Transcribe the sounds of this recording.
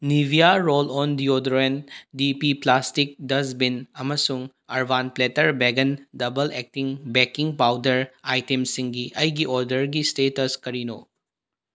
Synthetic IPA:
nibʱijaɾolɔndiodɾendipiplastik̚dɐs̬binɐmɐsuŋ | ɐɾbʱanpletɐɾbeɡɐndɐbɐlek̚tiŋbekiŋpawdɐɾajtemsiŋɡiʔɐjɡiʔɔɾdɐɾɡistetɐskɐɾino

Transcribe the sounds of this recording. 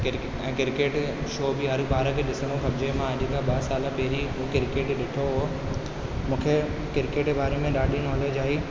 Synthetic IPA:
kɪ | ɛ̃ːkɪɾkeːʈ | ʃoːbɪɦɐɾbaːɾəkʰeːɗɪsənõxɐbd͡ʑemãɐʄkʰãɓɐsaːlapɛɦɪɾiukɪɾkeːʈɗɪʈʰoɦo | mũːkʰe | kɪɾkeːʈbʱaːɾemẽɗaːɗinɔːleːd͡ʑaːiː

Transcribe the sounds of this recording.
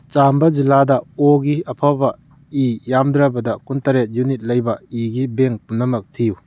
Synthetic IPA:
t͡ʃambɐd͡ʒilːadɐoɡiɐpʰabɐ | ijamdɾɐbɐdɐkuntɐɾet̚junit̚lɐjbɐiɡibeŋpunɐmɐk̚tʰiju

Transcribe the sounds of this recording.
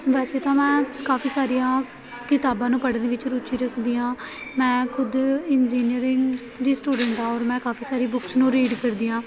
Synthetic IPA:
ʋɛːseːt̪ãːmɛ̃ːkaːpʰiːsaːɾijãː | kɪt̪aːbãːnũːpəɽnd̪eːʋɪt͡ʃɾuːt͡ʃiːɾəkʰd̪iːãːmɛ̃ːkʰʊd̪ɪnd͡ʒiːnɪəɾɪŋɡ | d͡ʒ̪iːsʈuːɖəɳʈãːɔːɾmɛ̃ːkaːpʰiːsaːɾiːbʊksnũːɾiːɖkəɾd̪iːãː

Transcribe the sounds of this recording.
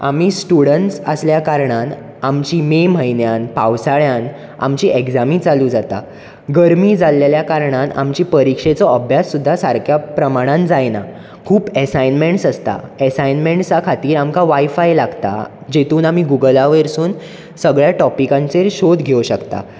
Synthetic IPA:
a̰miːsʈuɽəɳʈsə̰sljakaɾɳ̃an | amt͡ɕiːmem̤əjnjanpawsaɭjãn | a̰mt͡ɕiːʔeɡd͡zamĩːt͡saluːd͡zat̪a̰ | ɡəɾmiːd͡zalːeljakaɾɳana̰mt͡ɕiːpəɾikʂet͡sɔəbʱjasːud̪ʱːasaɾkʰjapɾəmaɽ̃ãnd͡zajna̰ | kʰuːpəsajnmeɳʈsəst̪a̰əsajnmeɳʈt͡sakʰat̪iːɾamkaʋajfajlaɡt̪a̰ | d͡ʑet̪uːnamiɡuɡəlaʋeɾsuːn | səɡɭjaʈɔpikãnt͡seɾɕod̪ɡʱewɕəkt̪a̰

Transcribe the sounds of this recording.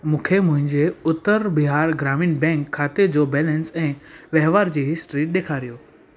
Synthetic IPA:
mũːkʰemʊ̃ɦɪ̃ɲd͡ʑeʊt̪əɾbɪɦaːɾɡɾaːmɪnbɛ̃ːŋkʰːaːt̪ed͡ʑoːbɛːlə̃nsɛ̃ːʋɐɦʋaːɾd͡ʑiːɦɪsʈɾiːɗeːkʰaːɾijoː

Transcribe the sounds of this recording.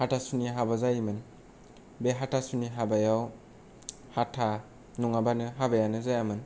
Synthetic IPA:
hatʰasuniɦabazajmɯn | beɦatʰasuniɦabajaw | hatʰa | nuŋabanɯɦabajanɯzajamɯn

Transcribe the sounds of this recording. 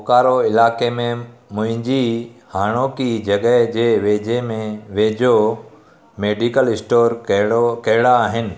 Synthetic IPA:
kaːɾoɪlaːkemẽmʊ̃ɦɪ̃ɲd͡ʑihaːɽ̃oːkid͡ʑɐɠəɦd͡ʑeːʋeːd͡ʑemẽʋeːd͡ʑo | meːɖikəlɪsʈoːɾkɐɦɪɽaːɦɪnɪ̆

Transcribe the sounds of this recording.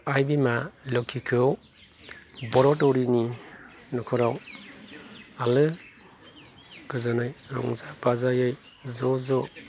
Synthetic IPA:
ajbimalɔkʰːikʰɯw | bɔɾɔtɔɾini | nɔkʰɔɾaw | alɯ | ɡɯzɯnɯjɾɔ̰ŋzapazajɯj | zɔzɔ

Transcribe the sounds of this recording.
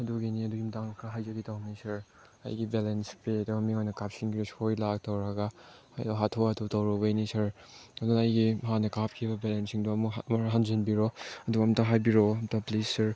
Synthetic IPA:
ɐduɡiniɐduɡimdaŋɐkʰaɦajzɐɡitawnisɐɾ | ɐ̰jɡibelenspedɔɐmiŋojnɐkap̚siŋɡiɾosojlak̚tɐwɾaɡaha̰jdɔɦatʰɔɐtʰutɐwɾɔbɐjnisɐɾ | ɐdunɐjɡiɦanɐkap̚kʰibɐbelensiŋdɔɐmumɐɾɦanzenbiɾɔɐduɡɐmtɐɦajbiɾoɐmtʰɐplisːɐɾ

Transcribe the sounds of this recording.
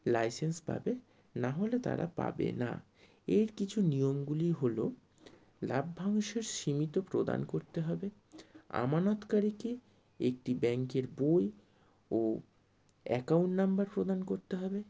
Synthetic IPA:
lajsenspa̰be | naɦolet̪a̰ɾa̰pa̰bḛna̰ | eɾkit͡ɕʰunijomɡuliɦolo | labːʱaŋʃeɾʃimit̪opɾod̪a̰nkoɾt̪eɦɔbe | a̰manot̪kaɾike | ek̚ʈibɛŋkeɾboj | o | ɛkawɳʈnambaɾpɾod̪ankoɾt̪eɦɔbe

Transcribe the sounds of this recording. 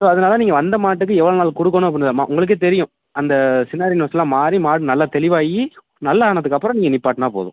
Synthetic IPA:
soːɐðɐnaːlɐãːniːŋɡɐʋɐnd̪ɐmaːʈ̬ːɯkːɯɛʋːɐɭoːnaːlkɔɽɯkːɐnʊ̃mɐp̬ːɪnːðamːa̰ːʔʊŋɡɐɭɯk̬ːɯt̪̬ɛɾɪjʊ̃ | ɐnd̪ɐsɪnːaːɾɪnɐsɐlːãːmaːɾimaːɽɯ̃nɐlːat̪ɛlɪʋaːji | nɐlːɐaːɳɐðɯkːɐpːɯɾɐ̃niːŋɡɐnɪpːaːʈt̪ãːpo̰ːðʊ̰̃

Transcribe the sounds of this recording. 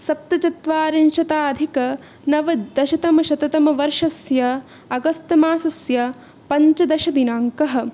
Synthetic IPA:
sɐp̚t̪ɐt͡ʃɐt̪ʋaːɾɐnʃɐt̪aːɐd̪ʱikɐ | nɐʋɐd̪ɐʃɐt̪ɐmɐʃɐt̪ɐt̪ɐmɐʋɐɾʂɐsjɐ | ɐɡɐst̪ɐmaːsɐsjɐ | pɐɲt͡ʃɐd̪ɐʃɐd̪inaːŋkɐɦɐ̆

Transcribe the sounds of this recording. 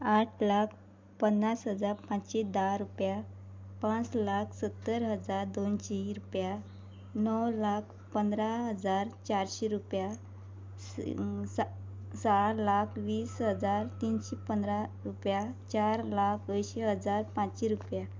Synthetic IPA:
aʈʰlakʰ | pənːasɦəd͡zaɾpãt͡ɕɕed̪aɾupja | pãt͡slakʰsət̪ːəɾɦəd͡zaɾd̪onɕeɾupja | nɔwlakʰ | pənd̪ɾaɦəd͡zaɾt͡ɕaɾɕeɾupja | saɾlakʰʋiːsɦəd͡zaɾt̪iːnɕepənd̪ɾaɾupjat͡ɕaɾlakʰəjɕeɦəd͡zaɾpãt͡sɕeɾupja

